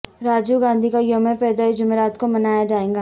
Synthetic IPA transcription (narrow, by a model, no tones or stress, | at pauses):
ɾaːd͡ʒuɡãːnd̪ʱikajomepɛːd̪aid͡ʒʊmeːɾaːt̪komɐnaːjad͡ʒaːẽːŋɡaː